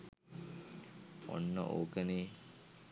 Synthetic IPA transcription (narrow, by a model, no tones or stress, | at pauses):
o̰nːə̰ʔo̰ːkəneː